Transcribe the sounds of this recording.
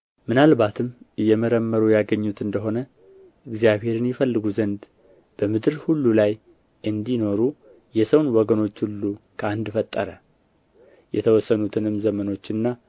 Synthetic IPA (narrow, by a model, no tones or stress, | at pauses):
mɨnalβat̪ʰɨmɨjːɛməɾəmːəɾujaɡəɲːut̪ɨnd̪əɦo̞nə | ʔɨɡzijaβhe̞ɾɨnjɛfəlːɨɡuzənd̪ | b̥əmɨd̪ɨɾhulːulaj | ʔɨnd̪ino̞ɾu | jɛsəwnwɔɡəno̞t͡ʃːhulːukʰəand̪fət̪ʼːəɾə | jɛ̰t̪ʰəwɔsːənut̪ʰɨnɨmzəməno̞t͡ʃːɨnːa